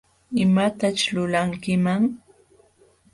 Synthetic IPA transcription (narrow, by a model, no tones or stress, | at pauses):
ɪmat̪at͡ʃlʊlaŋkɪmaŋ